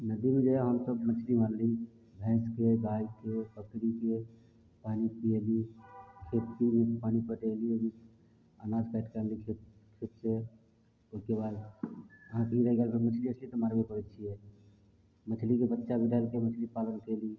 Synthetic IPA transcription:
nəd̪imẽd͡ʒeɦəmsəbmət͡ʃʰlimanli | bʱɛ̃ːskeɡaikepəkɾike | panipielikʰet̪̚kibʱipanipəʈeliebi | anad͡ʒkaʈkalikʰekʰɪt̪se | oikebad̪əɦãkeiɾəɦɛɡalkʰemət͡ʃʰliət͡ʃʰlit̪əmaɾbekəɾɛt͡ʃʰiɛ | mət͡ʃʰlikebət̪ːʃabʱiʈaelkemət͡ʃʰlipalənkeli

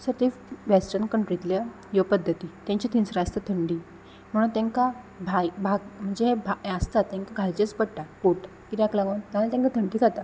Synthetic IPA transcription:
səɾt̪iʋesʈənkəɳʈɾit̪lja | jopəd̪ʱːət̪iːt̪jãɲt͡ɕit̪ʰinsɾast̪ət̪ʰəɳɖiː | m̤əɽuːnt̪ẽŋka | bʱajbʱaɡm̤əɳd͡zeɦebʱaast̪at̪ːẽŋkaɡʱalt͡ɕet͡spəɽʈakoʈakit̪aklãɡant̪ãlat̪ẽŋkat̪ʰəɳɖiːkʰat̪a

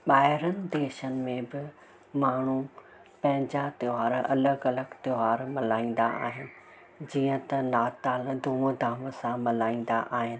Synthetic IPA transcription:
ɓaːɦɪɾənɪ̆d̪eːʃənɪ̆mẽbɪ | maːɳ̤u | pɐ̃ɦɪ̃ɲd͡ʑat̪joɦaːɾʔɐləɡɐləɡt̪joɦaːɾmɐlaːĩːn̆d̪a̰ʔa̰ːɦɪnɪ̆ | d͡ʑiːə̃t̪ɐnaːt̪aːld̪ʱuːmd̪ʱaːməsãmɐlaːĩːn̆d̪aʔaːɦɪnɪ̆

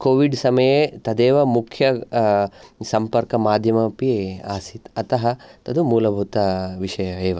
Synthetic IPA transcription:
koːʋiɖsɐmɐjet̪ɐd̪eːʋɐmukʰjɐ | sɐmpɐɾkɐmaːd̪ʱjɐmɐpiaːsit̪ɐt̪ɐɦɐt̪ɐd̪umuːlɐbʱut̪ɐʋiʂɐjɐeːʋɐ

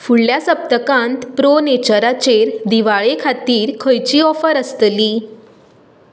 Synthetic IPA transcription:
fuɭljasəp̚t̪əkãnt̪pɾonet͡ɕəɾat͡ɕeɾd̪iʋaɭekʰat̪iːɾkʰəjt͡ɕiːɔfəɾəst̪liː

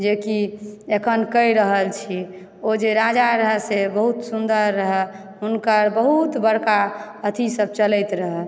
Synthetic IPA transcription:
d͡ʒekiekʰənkəjɾəɦəlt͡ʃʰi | od͡ʒeɾad͡ʒaɾəɦɛsebəɦut̪sund̪əɾːəɦɛ | ɦunkəɾbəɦut̪bəɽka | ət̪ʰisəb̚t͡ʃələjt̪ɾəɦɛl

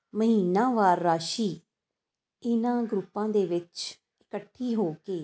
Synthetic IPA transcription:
məɦiːnãːʋaːɾːaːʃiː | ɪnãːɡɾʊpːãːd̪eːʋɪt͡ʃ | ɪkəʈʰːiːɦoːkeː

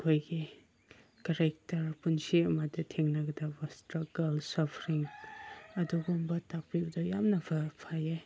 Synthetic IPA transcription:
kʰojɡi | kaɾek̚tɐɾpunsiɐmadɐtʰeŋnɐɡɐdabɐstɾaɡɐlsɔpʰɾiŋ | ɐduɡombɐtak̚pibɐdajamnɐbʰɐpʰaje

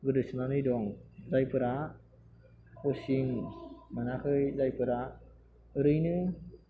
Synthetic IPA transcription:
ɡɯdɯsɯnanɯjdɔŋzajpɯɾa | kosiŋmanakɯjzajpɯɾa | ɯɾɯjnɯ

